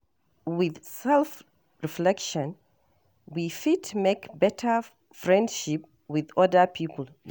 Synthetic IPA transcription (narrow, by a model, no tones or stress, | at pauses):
wið̥sɛlˠf | ɹiflɛkʃə̃n | wifitʰmekbɛtʰə˞ | fɹɛ̃ndʃip̚ | wiðɔdə˞pʰipl̩ˠ